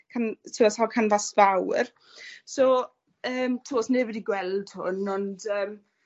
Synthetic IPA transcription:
kʰantʰuɔsɔlkʰanvasvawr | soː | əːmtʰusneːvədiɡwɛlˠd̥hʊ̰nɔndəːm

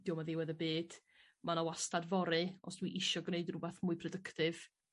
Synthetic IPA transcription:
djɔmaðɪwɛðəbeːd̥ | manawastadvɔɾɨɔsd̥wiʔɪʃɔɡneɨdnubɛθmʊɨpʰrɔdəktɨv̥

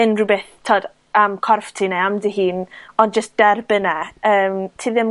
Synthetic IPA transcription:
ənrubeθtʰoːd | amkʰɔrftʰinɛamdiːɦiːnɔnd͡ʒəstd̥ɛrbənɛəːmtʰiːðɪm

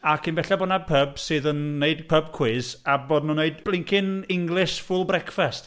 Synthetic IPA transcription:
akʰinbɛɬɛbɔdnapʰəbsɨːðənːeɨdpʰəbkʰw̥ɪːzaboːdnuneɨdb̥lˠɪŋkʰɪnɪŋɡlˠɪʃfʊlˠbrɛkfɛst

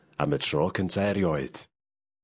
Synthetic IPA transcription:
a̰mətʰrɔːkʰəntʰɛːɾjɔɨð̥

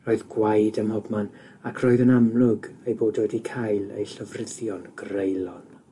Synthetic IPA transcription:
roːɨðɡwajdəmhɔbman | akʰroːɨðənamlˠʊɡejboːdoːdikʰajlˠḛjɬəvrɪðjɔnɡ̥rejlˠɔn

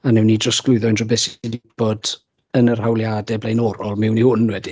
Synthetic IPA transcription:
anɛwnːidrəstɡ̥lˠʊɨðɔndrɔbɛsdɪb̥ɔd̥ | ənər̥hawlˠjaːdɛblejnɔɾɔlˠmɪwnihʊnwɛdi

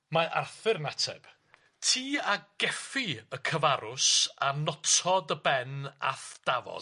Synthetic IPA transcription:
maʔa̰rθɪrnatʰɛ̰b̥ | tʰiːaɡ̥ɛfiəkʰəvaɾʊsanɔtʰɔdəbɛna̰θd̥avɔ̰

